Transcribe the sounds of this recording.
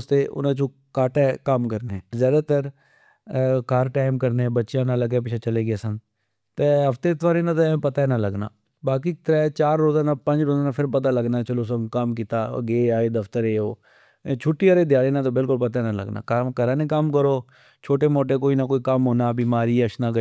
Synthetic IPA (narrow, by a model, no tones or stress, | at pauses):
st̪eːʔʊ̰nãːt͡ʃõː | kaːʈɛːkəmkəɾneɛːzjaːd̪aːt̪əɾ | kaːɾʈaːɪmkəɾneɛ̃bətːʃãːnãləɡep̬ɪt͡ʃʰaːt͡ʃəleːɡɪaːsən | t̪eɦəft̪eːt̪ʋaːɾeːnãːt̪apət̪aːɛnãːləɡna̰ː | baːk̬iːk̚t̪əɾaɛt͡ʃaːɾːoːzaːnaːpə̃ɲd͡ʒɾoːzaːnãːpʰɪɾpət̪̬aːləɡnaːt͡ʃəloːsəkəmkit̪aːə̰ɡeːaːeːd̪əft̪əɾeːoː | t͡ʃʰʊʈːiːəɾeːd̪jaːɾeːnãːt̪̬obɪlkʊlpət̪aɛnãːlə̰ɡna̰ːkəmkəɾãːnẽːkəmkəɾoː | t͡ʃʰoːʈeːmoːʈ̬eːkoːiːnakoːiːkəmɦoːnaːbiːmaːɾiːəʃnãːk